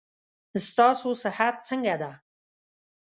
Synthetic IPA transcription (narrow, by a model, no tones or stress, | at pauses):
st̪ɑsosɪhat̪̚t͡səŋɡad̪a